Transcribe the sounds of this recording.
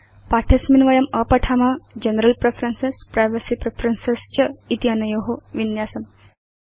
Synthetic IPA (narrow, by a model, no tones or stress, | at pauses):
paʈʰesminʋəjɐməpəʈʰamad͡ʑənɾəlpɾefʰɾənsespɾajʋəsipɾefʰɾənsest͡ɕəit̪iənɐjoɦoʋinjasɐm